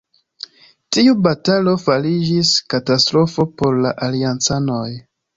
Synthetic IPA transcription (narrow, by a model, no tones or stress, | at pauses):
tiubatalo̞falid͡ʒiskatastɾo̞fo̞po̞ɾlaʔaliant͡sano̞j